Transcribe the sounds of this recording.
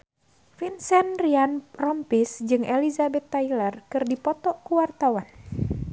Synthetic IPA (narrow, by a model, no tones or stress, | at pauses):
finsɛnrianrɔmpisd͡ʒɨŋɛlizabɛt̪ːailərkɨrdipɔt̪ɔʔkuwart̪awan